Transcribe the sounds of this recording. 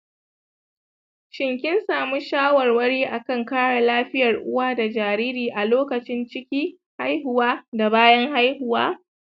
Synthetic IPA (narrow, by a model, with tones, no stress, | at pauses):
ʃɪ˨ŋkʲɪ˦nsaː˨mu˦ʃaː˦wɐ˨rwɐ˦ɽiː˦ʔa˨kɐ˦˨ŋkaː˦ɽa˨laː˦ɸɪ˦jɐ˨rʔʊ̰˦waː˦da˨d͡ʒaː˨ɾiː˦ɾiː˨ʔa˨loː˦kɐ˨t͡ʃɪ˦nt͡ʃɪ˦kʲiː˦ | ha˦jhʊ˨waː˦da˨baː˦jɐ˦ŋha˦jhʊ˨waː˦